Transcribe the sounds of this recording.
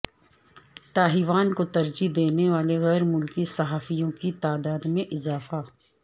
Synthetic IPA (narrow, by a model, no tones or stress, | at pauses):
t̪aːɦiʋaːnkot̪ɐɾd͡ʒid̪eːneʋaːleɣɛːɾmʊlkisɐɦaːfijõkit̪aːd̪aːd̪mẽʔɪzaːfa